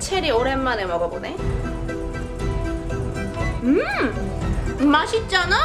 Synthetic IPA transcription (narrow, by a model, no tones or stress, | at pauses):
t͡ɕʰeɾioɾemːanemʌɡʌɡone | ɯ | maɕʰit̚t͡ɕ͈ana